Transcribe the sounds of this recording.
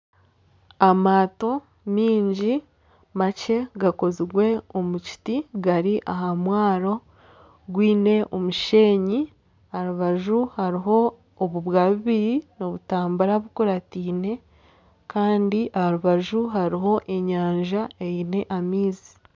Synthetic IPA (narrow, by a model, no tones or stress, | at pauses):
amaːto̞ | miːɲɟi | mace̞ɡako̞ziwe̞omuci̥tiɡaɾiʔaɦamwaːɾo̞ | ɡwiːne̞ʔomuʃe̞ːɲi | ahɾuβaʒuhaɾiɦo̞ː | βuβwaːβiβiɾino̞βutaːmbaɾaβukuɾatiːne̞ | kaːndiʔahaɾuβaʒuɦaɾiɦo̞ʔe̞ɲaːɲʒaejine̞ʔamiːzi̥